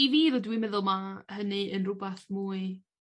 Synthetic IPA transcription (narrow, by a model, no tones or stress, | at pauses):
iviːðɔdwiməðʊlˠmahənɨənrʊbaθmuːɨ